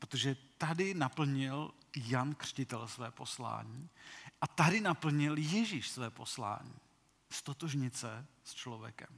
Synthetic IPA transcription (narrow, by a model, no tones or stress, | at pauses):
pɾot̪oʒɛt̪adɪnapl̩ɲɪljankr̝̥cɪt̪ɛlsvɛːpo̞sla̰ːɲiːʔat̪adɪnapl̩ɲɪljɛʒiːʃsvɛːpo̞sla̰ːɲḭː | st̪ot̪oʒɲɪt͡sɛst͡ʃlovjɛ̰kɛm